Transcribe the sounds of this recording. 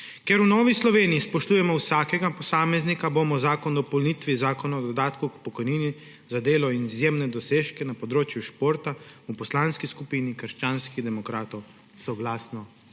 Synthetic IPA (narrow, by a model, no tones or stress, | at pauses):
kɛɾunɔːʋislɔʋeːnijispɔʃt̪uːjɛmɔwsaːkɛɡapɔsaːmɛznikaboːmɔzaːkɔnd̪ɔpɔwlnit̪ʋizaːkɔnaɔd̪ɔd̪aːt̪kukpɔkɔjniːni | zad̪eːlɔinizjeːmnɛd̪ɔseːʃkɛnapɔd̪ɾoːt͡ʃjuʃpoːɾt̪aupɔslaːnskiskupiːnikəɾʃt͡ʃaːnskiɣd̪ɛmɔkɾaːt̪ɔw | sɔɡlaːsnɔ